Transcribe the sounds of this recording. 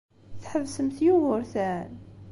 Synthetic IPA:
θħəvsəmθjuvʊɾθæn

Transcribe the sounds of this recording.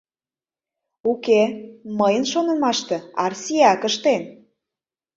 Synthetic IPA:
ukeməjənʃonɤ̆mɑʃt̪ĕɑrsiɑkəʃt̪en

